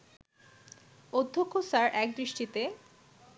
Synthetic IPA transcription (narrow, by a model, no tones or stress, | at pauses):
od̪ʱːokʰːosaɾʔɛk̚d̪ɾiʃʈit̪e